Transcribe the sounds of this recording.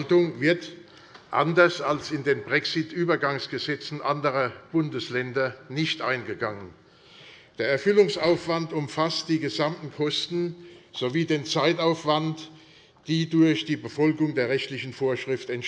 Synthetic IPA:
ltʊŋvɪɐt | ʔa̰ndɐsalsɪndeːnbʁɛksɪtʔyːbɐɡaŋsɡ̥əzɛt͡sn̩ʔandəʁɐb̥ʊndəslɛndɐnɪçtʔa̰ɪnɡəɡaŋən | d̥eːɐɛɐfʏlʊŋsʔaʊfv̥antʊmfast̚d̥iːɡəzamtn̩kʰɔstn̩z̥oviːdeːnt͡saɪtaʊfv̥ant | d̥iːdʊɐçd̥iːbəfɔlɡʊŋdeːɐʁɛçtlɪçn̩foːɐʃʁ̥ɪftɛn

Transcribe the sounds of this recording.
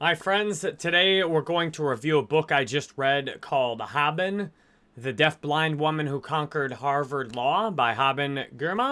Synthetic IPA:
maɪfɹɛ̃ndz̥tʰɨɾeɪwə˞ɡoʊɪ̃ŋtʰəɹivjʉəbʊkaɪd͡ʒʌst̚ɹɛd̚kʰɔlˠd̪̚hæbɨ̃n | ðɨdɛθb̥lãɪ̃nd̚wʊmɨ̃nhukʰɑ̃ŋkə˞d̚hɑɹvə˞dˡlɔbaɪɦæbɨ̃nɡɜ˞mə

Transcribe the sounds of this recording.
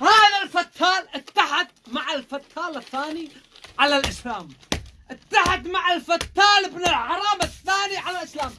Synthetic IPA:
haːðalfat̪ʰːaːlʔɪt̪ːaħad̪̚maʕɪlfat̪ʰːɑːlɪθːaːni | ʕalalʔɪslaːmʔɪt̪ːaħad̪maʕɪlfat̪ːaːlɪbnɪlʕɑɾˤɑːmɪθːaːniʕalalʔɪslaːm

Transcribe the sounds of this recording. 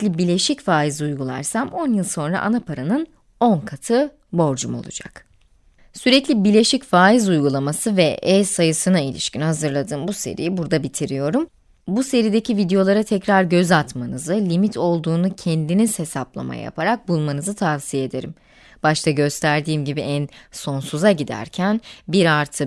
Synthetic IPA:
lʲibilʲe̞ʃicfaːizujɡulˠa̰ɾsamo̞njɯlˠso̞nɾa̰ʔa̰napʰaɾanɯn | o̞nkʰat̪ʰɯ | bo̞ɾd͡ʒumo̞̰lˠṵd͡ʒa̰k | syɾɛclʲibiɾlʲe̞ʃicfaːizujɡulˠamasɯvɛɛsajɯsɯnailʲḭʃcinɦazɯɾlˠad̪ɯːmbuse̞̰ɾḭjibuɾd̪abit̪ʰiɾijo̞ɾum | buse̞ɾid̪e̞cʰivid̪ejo̞lˠaɾat̪ʰɛcɾaɾɟø̞zat̪manɯzɯlʲimit̪ʰo̞lˠd̪uːnucʰɛnd̪iniz̥he̞saplˠa̰ma̰ja̰ja̰pʰaɾak̚bulˠmanɯzɯt̪ʰavsijeed̪e̞ɾim | b̥aʃt̪ʰaɟø̞st̪ʰæɾd̪iːmɟibiʔænso̞nsuzaɟid̪æ̰ɾcʰænbiɾaɾt̪ʰɯ

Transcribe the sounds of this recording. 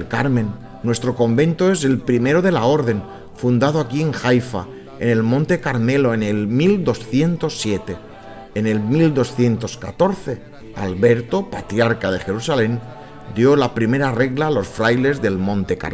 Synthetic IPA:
kaɾmẽ̞nː | we̞st̪ɾo̞ko̞mbẽ̞nt̪oe̞s̬e̞lpɾime̞ɾoðe̞lao̞ɾðe̞n | fund̪að̞oakie̞ŋxajfa̰ | ene̞lmõ̞nt̪e̞kaɾme̞lo̞enelmild̪o̞sθje̞nt̪o̞sːje̞t̪e̞ː | ne̞lmild̪o̞sθje̞nt̪o̞skat̪o̞ɾθe̞ | a̰lβe̞ɾt̪o̞pat̪ɾjaɾkað̞e̞xe̞ɾusalẽ̞n | d̪jo̞lapɾime̞ɾare̞ɣlalo̞sfɾajle̞zðelmõ̞nt̪e̞ka̰

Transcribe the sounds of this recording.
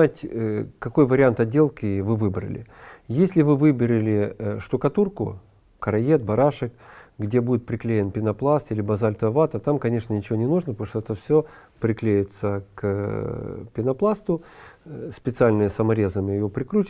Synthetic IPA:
atʲkɐko̞jvəɾʲɪant̪ɐdʲːe̞lˠkʲɪvɨvɨbɾə̰lʲɪ̰jesʲlʲɪvɨvɨbʲɪɾʲɪlʲɪʂt̪ʊkɐt̪urkʊ | kəɾɐjet̪̚bɐɾaʂɨkɡdʲe̞budʲɪt̪̚pɾʲɪklʲejɪnpʲɪnɐplˠast̪ilʲɪbɐzalʲt̪əvat̪ət̪amkɐnʲe̞ʂnənʲɪt͡ɕɪvonʲɪnuʐnəpɐt̪oʂt̪oɛt̪əfsʲopɾʲɪklʲejɪt̪sək | pʲɪnɐplˠast̪ʊ | spʲɪt̪sɨalʲnɨjəsəmɐɾʲe̞zəmʲɪɪjopɾʲɪkɾut͡ɕ

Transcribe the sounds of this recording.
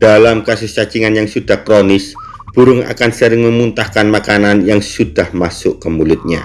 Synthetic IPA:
d̥alamkasʊst͡ʃat͡ʃiŋanjaŋsud̥ahkɾonɪs | b̥uɾʊŋa̰kansəɾɪŋməmunt̪ahkanmakananjaŋsud̥ahmasʊʔkəmulʊt̪̚ɲa̰

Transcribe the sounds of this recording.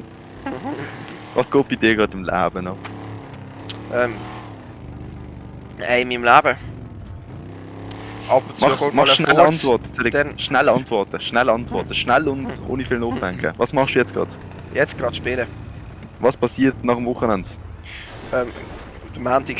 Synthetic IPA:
vɑ̰ːsɡ̥oːt̚b̥idiːɐɡʁɑːtɪmla̰ːb̥ənɔ | ʔɛm | ɛɪmimlaːbə | ɑpʊnt͡smɑomɑʃnalɑntvɔɐtə̥sɛdɛdɛnʃnalɑntvɔɐtəʃnɛlɑntv̥ɔɐtəʃnælʊndo̰ːnifiːlnoːχdd̥ɛŋkʰə̰vɑːsmɑχʃd̥uːjɛt͡sɡ̥ʁɑ̰t | jɛt͡sɡ̥ɾɑtʃpɪlə | vɑːspʰɑsiːɐtnɑχəmvʊχənɛnd̥ | ɛm | d̥əmaːntɪk

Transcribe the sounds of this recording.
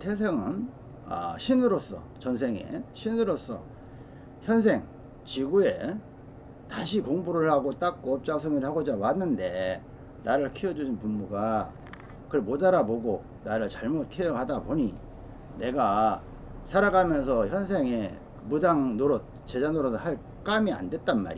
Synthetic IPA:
tʰes̬ʰeŋɯn | a̰ɕʰinɯɾos͈ʌ̰t͡ɕʌns̬ʰe̞ŋḛɕʰinɯɾos͈ʌ̰ | çjʌns̬ʰe̞ŋ | t͡ɕiɡue̞ | taɕ̬ʰikoŋbuɾɯɭhaɡot͈ak̚k͈oʌp̚t͡ɕ͈as̬ʰumiɭhaɡod͡ʑamanːɯnde̞ | naɾɯɭkʰiʌd͡ʑuɕʰinpummuɡa | kɯɾmodaɾaboɡo | naɾɯɭt͡ɕaɭmot̚tʰejʌhadaboɲi | ne̞ɡa | sʰaɾaɡamjʌnsʰʌçjʌns̬ʰe̞ŋe | mudaŋnoɾot̚ | t͡ɕe̞d͡ʑanoɾosʰhaɭ | k͈amia̰ndwe̞t̚t͈anma̰ɾḭ

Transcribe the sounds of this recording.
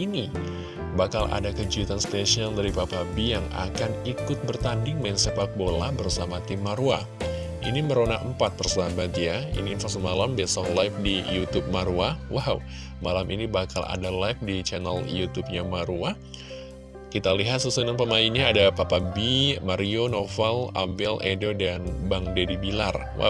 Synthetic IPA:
ini | bakalʔa̰dakəd͡ʒuit̪anst̪esiandaɾipapabijaŋa̰kanikʊt̪̚bərt̪andɪŋmɛŋsəpak̚bola̰bərsamat̪imːaɾua | ʔḭniməɾonakəmpat̪̚pərsəabadiaḭniːnfasɔmalambesɔhlajf̚dijut̪up̚maɾuawaw | malaminibakala̰dalajf̚dit͡ʃana̰ljut̪up̚ɲamaɾua | kit̪aliɦat̪susənanpəmainɲaːdapapabimaɾionofala̰bɛledodanbaŋdedibilar | wa̰w

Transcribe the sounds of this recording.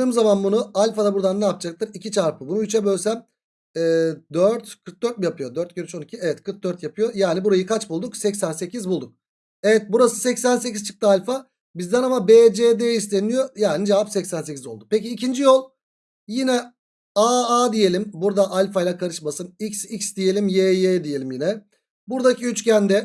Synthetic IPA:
ɯːmzamanbunualʲfad̪abuɾd̪anːaːpd͡ʒak̚t̪ʰɯɾicit͡ʃʰaɾpɯbunuyt͡ʃʰɛbølʲsæm | ɛːd̪øɾt̪kʰɯɾk̚d̪øɾt̪̚mjapʰɯjo̞d̪øɾt̪̚ɟeɾyt͡ʃo̞nicʰievɛt̪kʰɯɾk̚d̪øɾt̪japʰɯjo̞jaːnibuɾajɯkʰat͡ʃbulˠd̪uksɛcsænse̞cʰizbulˠd̪uk̚ | evɛt̪̚buɾasɯ̥sɛcsænse̞cizt͡ʃʰɯ̥k̚t̪ʰɯalʲfa | bizd̪ænamabeːd͡ʒeːd̪eist̪ʰe̞nijo̞jaːnid͡ʒevapsɛcsænse̞cʰʲizo̞lˠd̪upeciːcʰind͡ʒijolˠ | jinɛ | aaːd̪ije̞lʲimbuɾd̪aʔalʲfajlʲˠakʰaɾɯʃmasɯnicsicsd̪ije̞lʲimjejed̪ije̞lʲimjinɛ | buɾd̪acʰiyt͡ʃcʰænd̪ɛ

